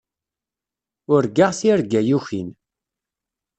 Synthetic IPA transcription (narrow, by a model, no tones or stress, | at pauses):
ʊɾɡaʁθiɾɡæjuçin